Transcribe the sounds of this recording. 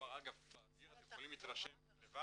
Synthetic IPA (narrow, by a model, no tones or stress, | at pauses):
aʁaɡavbadiat̪emχolimit̪ʁaʃem | leva